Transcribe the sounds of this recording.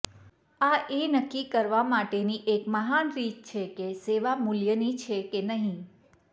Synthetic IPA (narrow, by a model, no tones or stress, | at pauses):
aʔenəkːikəɾʋamaʈeniʔekməɦanɾit̪t͡ʃʰekeseʋamuljənit͡ʃʰekenəɦĩ